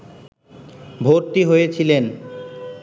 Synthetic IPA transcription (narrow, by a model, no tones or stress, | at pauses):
bʱoɾʈiɦojet͡ɕʰilen